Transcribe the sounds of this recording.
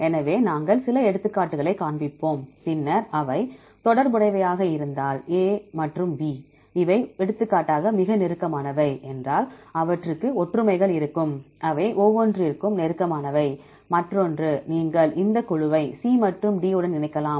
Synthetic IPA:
ɛnɐʋeːnaːŋɡɐɭsɪlɐɛɽɯt̪ːɯkːaːʈːɯɣɐɭɐɪkːaːɳbɪpːoːmpɪnːɐɾɐʋɐɪ | t̪ɔɽɐɾpʊɽɐɪʋɐjaːɣɐɪɾɯnd̪aːleːmɐʈrɯmʋiː | ɪʋɐɪɛɽɯt̪ːɯkːaːʈːaːɣɐmɪɣɐnɛɾɯkːɐmaːnɐʋɐɪʔɛndraːlɐʋɐʈrɯkːɯɔʈrɯmɐɪɣɐɭɪɾɯkːɯmʔɐʋɐɪʔɔʋːɔndrɯɪɾɯkːɯmnɛɾɯkːɐmaːnɐʋɐɪ | mɐʈrɔndrɯniːŋɡɐɭʔɪnd̪ɐkʊɻɯʋɐɪsiːmɐʈrɯmɖiːɯɽɐnɪnɐɪkːɐlaːm

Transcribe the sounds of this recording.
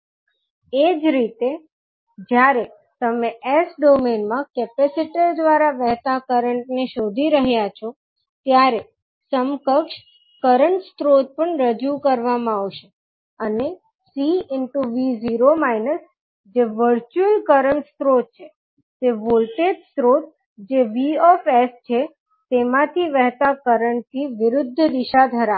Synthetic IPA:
ed͡ʒɾit̪e | d͡ʒjaɾe | t̪əmeʔesɖomenmãkɛpesiʈid̪ʋaɾaʋɛɦt̪akəɾəɳʈneʃod̪ʱiɾəɦjat͡ʃʰo | t̪jaɾe | səmkəkʃ | kəɾəɳʈst̪ɾot̪̚pəɳɾəd͡ʒukəɾʋamãaʋʃe | əne | siɪɳʈuʋiziɾomainəs | d͡ʒeʋəɾt͡ʃuəlkəɾəɳʈst̪ɾot̪̚t͡ʃʰe | t̪eʋolʈeɖst̪ɾot̪̚ | d͡ʒeʋiɔfest͡ʃʰe | t̪emãt̪ʰiʋɛɦt̪akəɾəɳʈt̪ʰiʋɪɾʊd̪ʱːəd̪ɪʃad̪ʱəɾa

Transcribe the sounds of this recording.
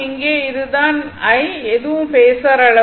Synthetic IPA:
ɪŋɡeːɪðɯt̪aːn | ɐɪɛðɯʋɯmpeːsɐɾɐɭɐ

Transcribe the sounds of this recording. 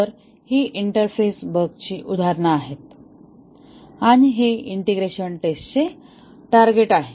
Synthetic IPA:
əɾ | hiʔiɳʈəɾfesbəɡt͡ɕiːʔud̪ʱaɾɳaːɦet̪ | aɽ̃iɦeiɳʈeɡɾeɕənʈest͡ɕe | ʈaɾɡeʈaɦe

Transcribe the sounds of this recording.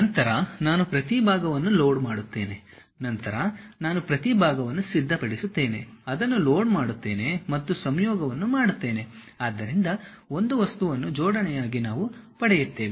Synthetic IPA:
nɐnt̪ɐɾɐnaːnupɾɐt̪ibʱaːɡɐʋɐnːuloːɖmaːɽut̪ːe̞ːne̞ | nɐnt̪ɐɾɐnaːnupɾɐt̪ibʱaːɡɐʋɐnːusid̪ʱːɐpɐɽisut̪ːe̞ːneɐd̪ɐnːuloːɖmaːɽut̪ːe̞ːne̞mɐt̪ːusɐmjɔːɡɐʋɐnːumaːɽut̪ːe̞ːne̞ | aːd̪ːɐɾind̪ɐ | o̞nd̪uʋɐst̪uʋɐnːud͡ʒɔːɽɐɳɛjaːɡinaːʋupɐɽɛjut̪ːe̞ːʋi

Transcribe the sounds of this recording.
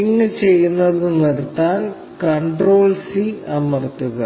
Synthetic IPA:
iŋːɨt͡ɕe̞jːunːɐðɨniɾt̪ːaːn | kɐɳɖroːɭsiɐmɐrt̪ːuɣɐ

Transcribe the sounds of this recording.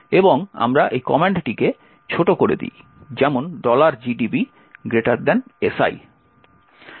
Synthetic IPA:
eboŋa̰mɾaʔejkɔmeɳʈʈike | t͡ɕʰoʈokoɾḛd̪ḭj | d͡ʑɛmonɖɔlaɾd͡ʑiɖibi | ɡɾeʈaɾd̪ɛnesa̰j

